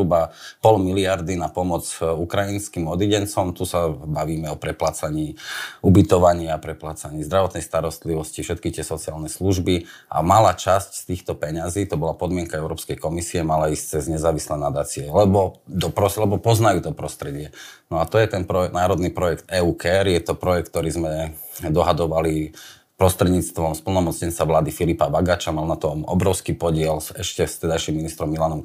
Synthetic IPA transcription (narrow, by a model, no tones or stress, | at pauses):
ubapɔlmiliaɾd̪inapɔmɔd͡zukɾajinskimɔd̪iɟɛnt͡sɔmt̪usabaʋiːmɛɔpɾɛplat͡saɲiːubit̪ɔʋaɲɪapɾɛplat͡saɲiːzd̪ɾaʋɔt̪nɛjst̪aɾɔst̪liʋɔscifʃɛt̪̚kit̪ɪɛsɔt͡siaːlnɛsluʒbiʔa̰malaːt͡ʃascst̪iːxt̪ɔpɛɲaziːt̪ɔbɔlapɔd̪mɪɛŋkaɛʊɾɔːpskɛjkɔmisiɛmalaisct͡sɛzɲɛzaːʋislɛnad̪aːt͡siɛlɛbɔd̪ɔpɾɔslɛbɔpɔznajuːt̪ɔpɾɔst̪ɾɛɟɪɛnɔat̪ɔjɛt̪ɛnpɾɔnaːɾɔd̪nipɾɔjɛkt̪ɛːuːkɛɾjɛt̪ɔpɾɔjɛk̚t̪ːɔɾiːzmɛ | d̪ɔɦad̪ɔʋali | pɾɔst̪ɾɛd̪ɲiːt͡st̪ʋɔmspl̩nɔmɔt͡sɲɛnt͡saʋlaːd̪ifilipabaɡat͡ʃamalnat̪ɔmɔ̰bɾɔʊskiːpɔɟɪɛlsɛʃcɛst̪ɛd̪ajʃimːinist̪ɾɔmːilanɔm